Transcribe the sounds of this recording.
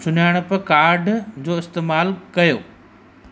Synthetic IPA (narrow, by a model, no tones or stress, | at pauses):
t͡ɕʊnaːɪɽ̃̆pɐkaːɾɖʱd͡ʑoːɪst̪eːmaːlkɐjo̰ː